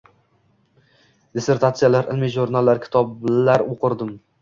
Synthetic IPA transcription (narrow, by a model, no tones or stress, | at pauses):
d̪eseɾt̪ʰat̪sɨjalaɾɪlmiʒoɾnalːaɾkʲʰt̪ʰɒblaɾoqʰɨɾd̪ɪm